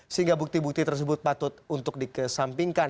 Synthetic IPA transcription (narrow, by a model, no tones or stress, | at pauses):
səɦiŋɡabuk̚t̪ibuk̚t̪it̪ərs̬əbʊt̪̚pat̪ʊt̪̚unt̪ʊk̚dikəsampiŋkan